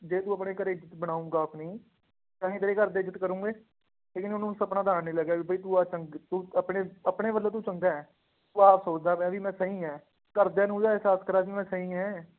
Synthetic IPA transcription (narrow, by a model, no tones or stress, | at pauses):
d͡ʒeːt̪ũːəpɳeːkəɾeɪd͡ʒət̪bəɽ̃aːũːɡaːpʰnĩː | t̪ãːĩːt̪əɾeːkəɾd̪eːd͡ʒət̪kəɾũːɡeː | leːkɪnʊnũːsəpnaːd̪aːnːiːləɡaːiːbəiːt̪uːaːt͡ʃəŋɡt̪uːəpɳeːəpɳeːʋəlːẽːt̪uːt͡ʃəŋɡaːɛː | t̪uːaːpʰsoːt͡ʃd̪aːmɛ̃ːʋiːmɛ̃ːsəɦĩːɛː | kəɾd̪ɛ̃ːnũːd͡ʒ̪aːɪsaːskəɾaːʋiːmɛ̃ːsəɦĩːɛ̃ː